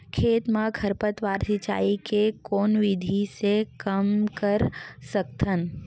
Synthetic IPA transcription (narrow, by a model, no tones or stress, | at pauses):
kʰeːt̪mãkʰəɾpət̪ʋaːɾsit͡ʃa̰ːikekoːnʋid̪ʱisekəmkəɾsək̚t̪ʰən